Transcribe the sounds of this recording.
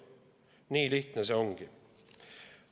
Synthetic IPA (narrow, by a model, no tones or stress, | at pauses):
nyːlyːt̪nəsəɔŋɡə